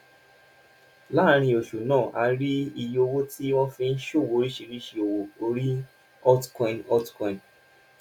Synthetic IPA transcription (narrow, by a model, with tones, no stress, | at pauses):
la˦ɾ̃ĩ˧o˨ʃu˨nãː˦˨ʔa˧ɾi˦i˧jo˧wo˦ti˦w̃ɔ̃˦fĩ˧n̩˦ʃo˦˨wo˨˦ɾi˦ʃe˧ɾi˦ʃi˧o˨wo˨˧o˧ɾi˦ | ɔ˦tkɔ̃˧i˨nɔ˦tkɔ̃˧˨n